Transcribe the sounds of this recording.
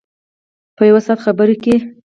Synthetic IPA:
pəjawasɑt̪xabəɾoke

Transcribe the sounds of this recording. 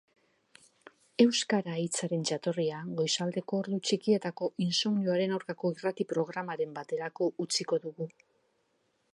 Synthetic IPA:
e̞wskaɾait͡saɾe̞nt͡ʃat̪o̞riaɣo̞jsald̪e̞ko̞ːɾðut͡ʃikie̞t̪ako̞ʔinsomniuaɾe̞nawɾkako̞irat̪ipɾo̞ɣ̞ɾamaɾe̞mbat̪e̞ɾako̞ut͡siko̞ðuɣu

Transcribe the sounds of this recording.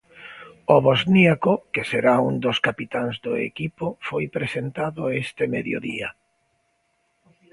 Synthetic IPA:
oβozniakokeseɾaund̪oskapit̪aŋzd̪ʊḛkipofojpɾesent̪aðʊest̪ɪmeðjo̰ðḭa

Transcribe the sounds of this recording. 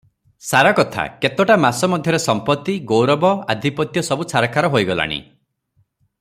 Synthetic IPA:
saɾakɔt̪ʰa̰ket̪ɔʈamasɔmɔd̪ʱjɔɾesɔmpɔt̪ːiɡowɾɔbɔad̪ʱipɔt̪jɔsɔbusaɾakʰaɾɔɦojɡɔla̰ɽ̃ḭ

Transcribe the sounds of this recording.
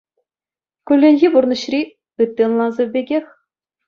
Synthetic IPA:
kʲylʲːenʲɣʲiburnɤ̆ɕrʲi | pɯt̪ʲːeɤ̆nlˠɑnzɤ̆bʲeɡʲexʲ

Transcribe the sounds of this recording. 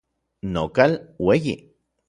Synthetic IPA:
nokalwejḭ

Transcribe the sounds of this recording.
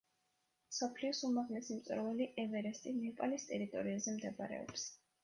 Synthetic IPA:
sɔpʰliɔsumaʁlɛsimt̪sʼɾvɛliʔɛvɛɾɛst̪ʼinɛpʼalist̪ʼɛɾit̪ʼɔɾiazɛmd̪ɛba̰ɾɛ̰ɔ̰ps

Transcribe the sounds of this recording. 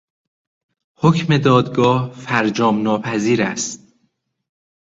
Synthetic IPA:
hocʰme̞d̪ɒːd̪ɡɒːhfæɾd͡ʒɒːmnɒːpʰæziːɾæ̰stt̪̚

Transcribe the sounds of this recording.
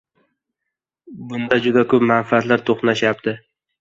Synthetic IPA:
bʊnd̪ad͡ʒʊd̪akʰɵpmanfɪat̪laɾt̪ʰoχnaʃjap̚t̪ʰɪ

